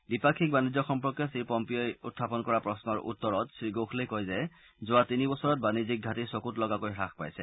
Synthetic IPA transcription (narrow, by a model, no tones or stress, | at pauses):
bipakʰik̚banizjɔxɔmpɔkjɔsiɹpɔmpijɔjʊ̰tʰːapɔnkɔɹapɹɔsnɔɹʔṵtːɔɹɔtsɹiɡoxʰlejkojzɛ | zʊatinibɔsɔɹɔt̚banizik̚ɡʱatiɹsokutlɔɡakojxɹaxpa̰jsɛ